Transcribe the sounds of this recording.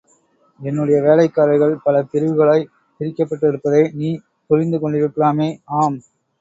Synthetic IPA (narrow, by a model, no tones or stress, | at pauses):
ɛnːɯɽɐjɐʋeːlɐɪkːaːɾɐɪɣɐɭpɐlɐt̪ɪɾɯʋɯɣɐɭaːɪ | t̪ɪɾɪkːɐpːɐʈːɛɽɯpːɐðeːniː | pʊɾɪnd̪ɯkɔɳɖɪʋɪkːɯɭaːmeːaːm